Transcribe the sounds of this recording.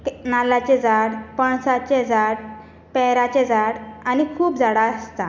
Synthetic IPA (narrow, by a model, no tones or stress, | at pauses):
nalat͡ɕẽd͡zaɽpəɳsat͡ɕed͡zaɽ | pɛɦɾat͡ɕed͡zaɽanikʰuːpd͡zaɽaəst̪a